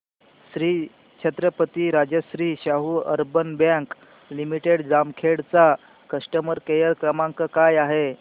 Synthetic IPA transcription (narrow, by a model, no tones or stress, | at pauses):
ɕɾiː | t͡ɕʰet̪ɾəpət̪iːɾad͡ʑjəɕɾiːɕaɦuːə̰ɾbənbjãŋk | limiʈeɽd͡zamkʰeɽt͡sa | kəsʈəməɾkejəɾkɾəmaŋkəkajaɦe